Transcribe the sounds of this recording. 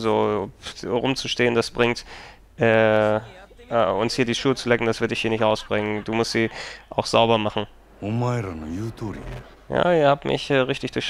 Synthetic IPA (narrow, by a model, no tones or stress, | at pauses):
zoː | ʁʊmt͡suʃteːəndasb̥ʁɪŋt | ʔɛː | ʔɛʊnshiːɐdiːʃuːt͡sulɛkŋ̩d̥asv̥ɪɐtdɪçhiːɐnɪçtʔaʊsb̥ʁɪŋənd̥uːmʊstz̥iːʔaʊxz̥aʊbɐmaχn̩ | umajɾanojut̪uɾḭ | ja̰ːɪhaːpmʔɪ̰çʔɛːʁɪçtɪçd̥ʊç